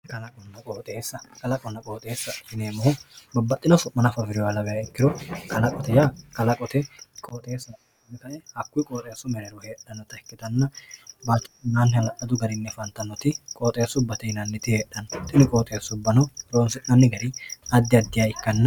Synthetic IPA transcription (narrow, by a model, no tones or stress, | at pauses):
kɐlɐkʼɔnːɐkʼoːt̪ʼeːsːɐkɐlɐkʼɔnːɐkʼoːt̪ʼeːsːɐhɪneːmɔhʊbɐbːɐt̪ʼːɪnɐsʊmːɐnɐfɐfɪɾɪjɔɐlɐbɛjɐɪkːɪɾɔkʰɐlɐkʼɔt̪ɛjakɐlɐkʼɔt̪ɛkʼoːt̪ʼeːsːɐ | nːɛkɐʔɛhɐkːʊjkʼoːt̪ʼeːsʊmɛɾɛɾɔhe̞ːɗɐnːɔt̪ɐɛkːɪd̪ɐnːɐbat͡ʃːnaːnːɪhɐlɐʔɐd̪ʊɡɐɾɪnːɛfɐnt̪ːɐnːɔt̪ɪkʼoːt̪ʼeːsːʊbːɐt̪ɛɪnɐnːɛt̪ɪheːɗːɐnɔt̪ʼɪnɪkʼoːt̪ʼeːsːʊbːɐnɔɾoːnsɪnɐnːɪɡɐɾɪɐd̪ːɪɐd̪ːɪjaːɪkːɐnːɐ